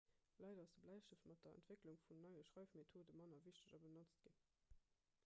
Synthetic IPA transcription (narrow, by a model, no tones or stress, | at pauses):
lɑɪdɐɑsdəblæɪʃəftmɑt̚d̥ɐə̰ntv̥ekluŋfunnɑɪəʃʁɑɪfmetʰoːdəmɑnɐviʃtəʑɑbənɑt͡st̚ɡ̥in